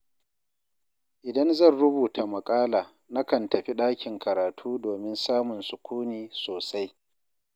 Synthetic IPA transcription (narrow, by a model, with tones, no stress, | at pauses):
ʔɪ˨dɐ˦nzɐ˦˨nɽʊ˦buː˨tʰa˨mɐ˨kʼaː˦laː˨ | na˦kɐ˨ntɐ˨ɸi˦ɗaː˦kʲɪ˨ŋkɐ˨ɾaː˨tʰuː˦doː˨mɪ˦nsaː˦mʊ˨nsʊ˨kʷuː˦niː˨soː˨sa˦j